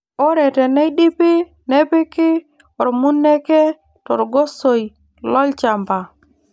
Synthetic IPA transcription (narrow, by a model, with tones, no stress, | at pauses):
o˦ɾɛ˨tɛ˨nɛ˦jɗi˦pɪ˦ | ne˦pɪ˦kɪ˦ | ɔ˨ɾmu˦nːe˦kɛ˦ | tɔ˨ɾɡo˦so˨j | lɔ˦lt͡ʃa˨mba˨